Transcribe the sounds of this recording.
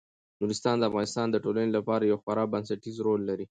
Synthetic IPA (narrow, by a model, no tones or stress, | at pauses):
nuɾɪst̪ɑnd̪əafɣɑnɪst̪ɑnd̪əʈolanelapɑɾajawxwaɾɑbansaʈizɾolːaɾi